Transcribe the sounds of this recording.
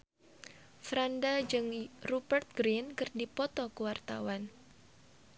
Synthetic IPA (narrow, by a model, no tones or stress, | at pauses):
fɾandad͡ʒɨŋrubərt̪̚ɡɾinkɨrdipɔt̪ɔkəwart̪a̰wan